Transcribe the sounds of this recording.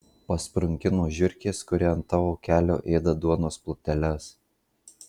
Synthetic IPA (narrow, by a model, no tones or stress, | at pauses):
pɐspɾʊŋʲkʲɪnoːʒʲʊɾʲkʲeːskʊɾʲeːɐnt̪ɑːʋoːkʲæːlʲo̰ːʔeːd̪ɐd̪uɔnoːsplˠʊt̪ʲɛlʲɛs